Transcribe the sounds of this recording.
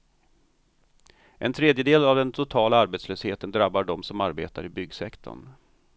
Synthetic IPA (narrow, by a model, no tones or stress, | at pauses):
ʔɛ̰nt̪ʰɾeːd̪jəd̪eːlavd̪ɛnt̪ʰʊt̪ʰɑːlaaɾbeːt̪sløːsheːt̪ənd̪ɾabːaɖɔmsɔmaɾbeːt̪aɾɪbʏɡsɛkt̪ʰɔ̰ɳ